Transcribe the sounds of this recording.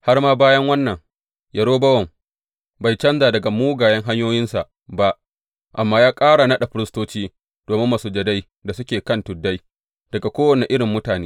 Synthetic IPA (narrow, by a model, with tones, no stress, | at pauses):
ha˦rmaː˦baː˦jɐ˦ŋwɐ˦nːɐ˨ŋ | jɐ˨ɽoː˦bɐ˦wɐ˨m | ba˨jt͡ʃɐ˦nzaː˨dɐ˨ɡa˨muː˦ɡaː˨jɐ˦ŋɦa˦ɲjoː˦jɪ˦nsa˨ʔ | ba˦ʔ | ʔa˨mːaː˦jaː˦kʼaː˦ɽa˨nɐ˦ɗa˨ɸɪ˦ɾɪ˦stoː˦t͡ʃiː˦ | d̥oː˨mɪ˦mːaː˨suː˨d͡ʒɐ˨da˦j | da˨sʊ˦kʲeː˨kɐ˦˨ntʊ˨dːa˦j | d̥ɐ˨ɡa˨kʷoː˦wɐ˨ne˨ʔɪ˦ɽɪ˨mːʊ˦taː˨neː˦